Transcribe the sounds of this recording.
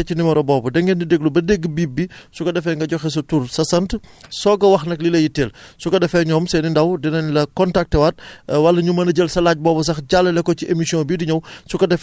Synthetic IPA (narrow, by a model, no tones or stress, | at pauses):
ɛcinimɐɾɔbɔːbɐdɛŋɡɛndideɡlubɐdeɡːbiːbːisukɐdɛfɛŋɡɐɟɔxɛs̬ɐtuːɾsɐsɐntsɔːɡɐwɐxnɐklilɐjitɛːlsukɐdɛfɛɲɔːmsɛnindɐwdinɐnlɐkɔntak̚tːɛwɐt̚wɐlːɐɲumɐnɐɟəlsɐlaːɟ̚bɔːbɐs̬ɐxɟalːɐlɛkːɔciʔemisijɔ̃bidiɲɐwsukɐdɛf